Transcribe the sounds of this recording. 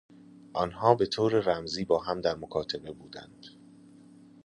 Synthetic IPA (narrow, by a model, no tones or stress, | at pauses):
ʔɒnɦɒːbe̞t̪ʰoːɾeɾæmziːbɒːɦæmd̪æɾmokʰɒːt̪ʰebe̞buːd̪æ̰nd̪̥